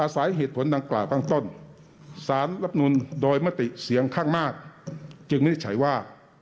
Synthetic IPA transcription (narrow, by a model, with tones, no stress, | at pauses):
ʔaː˧˩sa˨˩˦jɦeː˨˩t̪̚pʰo˩˦nda˧ŋklaː˨˩wkʰa˥˩ŋt̪o˥˩n | saː˩˦nla˦˥p̚nu˧ndoː˧jmaː˦˧˥t̪i˨˩si˨˩˦əŋkʰaː˥˩ŋmaː˥˩k̚t͡ɕɯ˧ŋma˥˩da˥˩t͡ɕʰa˩˦jwaː˥˩